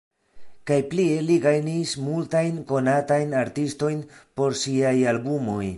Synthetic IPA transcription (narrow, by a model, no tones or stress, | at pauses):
kajplie̞liɡajnismultajnko̞natajnaɾtisto̞jnpo̞ɾsiajalbumo̞j